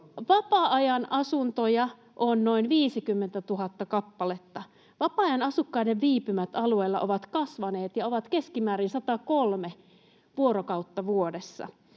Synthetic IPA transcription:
ʋɑpɑɑjɑnʔɑsunt̪ojɑ | ʔonno̞inʋiːsikymːent̪æt̪uɦɑt̪ːɑkɑpːɑlet̪ːɑ | ʋɑpɑɑjɑnɑsukːɑideʋʋiːpymæt̪ɑlue̞ːlːɑ̰ʔoʋɑt̪kɑsʋɑne̞ːt̪jɑoʋɑt̪keskimæːɾinsɑt̪ɑkolme | ʋuoɾokɑut̪ːɑʋuodesːɑ̰

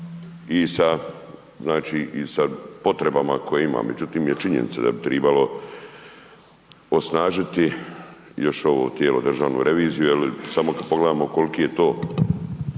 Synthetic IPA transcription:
isa | znaːt͡ʃiʔisapo̞t̪ɾe̞bamakʰo̞jeima̰ːme̞̰d͡ʑut̪iːmjet͡ʃiɲḛnḭt̪sad̪a̰bit̪ɾeːbalo̞ | o̞snaːʒit̪i | jo̞ʃo̞ʋo̰ːt̪jeːlod̪r̩ʒaːʋnṵɾʔe̞ʋiːzijujelisamo̞kad̪̚po̞ɡled̪amoko̞likijet̪oː

